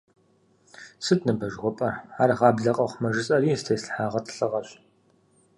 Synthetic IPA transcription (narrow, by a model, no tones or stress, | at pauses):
sɨtnɨbɐʒʁʷɔpʼɐraːɾʁɑːbɮɐqʼɐχʷmɐʒɨt͡sʼɐriːstʰejsħaːʁɐtʰɬɨʁɐɕ